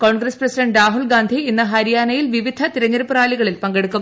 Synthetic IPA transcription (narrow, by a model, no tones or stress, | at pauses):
ko̞ːɳɡɾɐsprɐsiɖɐɳɖraːɦuɭɡaːnd̪ʱiinːɐɦɐɾijaːnɐjilʋiʋid̪ʱɐt̪iɾɐɲːɐɾupːuraːliɣɐɭilpɐŋɡe̞ɽukːu